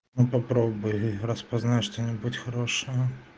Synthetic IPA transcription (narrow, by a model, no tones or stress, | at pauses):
nupɐpɾobbʊjrəspɐznatʲʂt̪onʲɪbutʲxɐɾoʂəjə